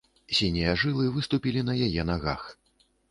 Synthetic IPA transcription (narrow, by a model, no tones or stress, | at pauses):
sʲinʲijɐʐɨlˠɨvɨst̪upʲilʲin̪ɐjajɛnaɣa̰x